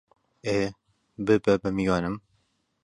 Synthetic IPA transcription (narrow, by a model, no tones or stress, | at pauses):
eː | bɨbɛbɛmijɑːnɨm